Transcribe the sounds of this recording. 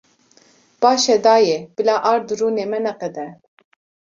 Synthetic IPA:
b̥ɑːʃɛd̪ɑːjɛb̥ɨlɑːʔɑːɾd̪ɨɾuːneːmɛnɛqɛd̪ɛ

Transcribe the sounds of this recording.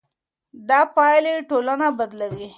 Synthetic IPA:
d̪ɑpɑjleʈolanabad̪lawi

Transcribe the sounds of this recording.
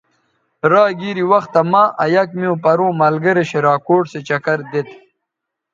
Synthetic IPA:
ɾaːɡiɾiwɐxt̪ːɐmaːʔɐjɐkmiõpɐɾõːmɐlɡɐɾeɕeɾaːkoːʈset͡ɕɐkɐɾd̪et̪

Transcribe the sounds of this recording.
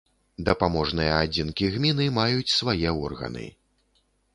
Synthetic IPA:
d̪ɐpamɔʐnɨjɐad͡zʲinkʲiɣmʲinɨmajut͡sʲsvajɛɔrɣɐ̰nɨ̰

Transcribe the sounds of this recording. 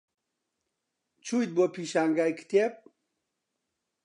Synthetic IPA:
t͡ɕʰujt̪̚bopʰiɕaŋɡajkʰt̪ep̚

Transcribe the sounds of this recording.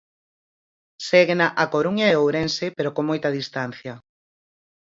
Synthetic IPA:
seɣenaʔakoɾuɲaeowɾensepeɾokomojt̪ɐðist̪an̟θjɐ

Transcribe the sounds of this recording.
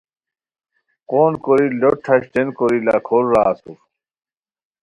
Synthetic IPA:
qoːnkoɾiloʈʰːɐɕt̪enkoɾila̰kʰoːlɾaːsuf

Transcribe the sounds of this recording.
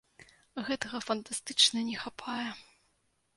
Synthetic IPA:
ɣɛt̪ɐɣɐfɐnt̪ast̪ɨt͡ʂnɐnʲɛxapʰajɛ

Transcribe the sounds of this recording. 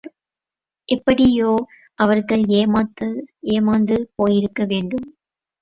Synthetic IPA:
ʔɛpːɐɽɪjoː | ʔɐʋɐɾɣɐɭeːmaːt̪ːɐeːmaːnd̪ɯpoːjɪɾɯkːɐʋeːɳɖɯm

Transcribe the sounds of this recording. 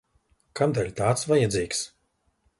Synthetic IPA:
kamd̪alʲt̪aːt̪svajad̪ziːks

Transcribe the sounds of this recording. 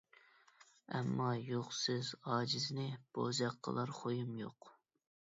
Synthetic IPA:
ɛmːɑjoχsɪzɑːd͡ʒiznɪb̥ozɑqʰːə̰lˠɑɾχojumjoq

